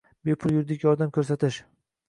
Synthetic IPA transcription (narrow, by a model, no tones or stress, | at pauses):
bepʰʊlˠjʊɾd̪ɪkʲjɒɾd̪amkʰʲɵɾsat̪ʰɪʃ